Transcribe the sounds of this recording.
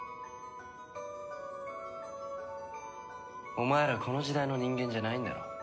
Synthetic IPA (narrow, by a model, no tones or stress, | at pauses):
omaeɾakʰo̞nod͡ʑid̪aino̞ɲĩŋɡʲẽ̞ɲd͡ʑanaĩnd̪a̰o̰